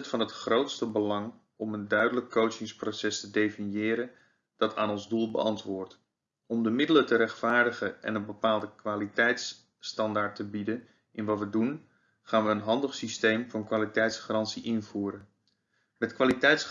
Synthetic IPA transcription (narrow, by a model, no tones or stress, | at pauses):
tfɑnɦətχrowtstəbəlɑŋ | ɔməndœɥdələkʰːowt͡ʃɪŋsprowsɛstədejfɪnjɪːɾən | d̥ɑtʰaːnɔnzdulˠbə̰ɑntʋʊːɹt | ɔmdəmɪdələtəɾɛχtfaːɹdəχəʔɛ̰nənbəpaːlˠdəkʋaːlitɛjts | tɑndaːɹtəbidən | ʔɪnʋɑtʋədun | χaːnʋəːnɦɑndəχsistejmv̥ɑnkʋaːlitɛjtsχarɑntsiʔɪnvuːɾən | mɛtkʋaːlitɛjts